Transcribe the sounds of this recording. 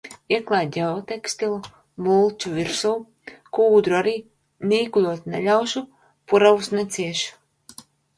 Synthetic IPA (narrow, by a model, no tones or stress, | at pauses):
iɛklˠaːjd̪ʲɛɔt̪ɛkst̪ilˠu | mulˠt͡ʃuvʲiɾsu | kuːd̪ɾuaɾiː | niːklʲˠuɔt̪nɛ̰lʲawʃu | puɾawusnɛt̪sʲiɛʃu̥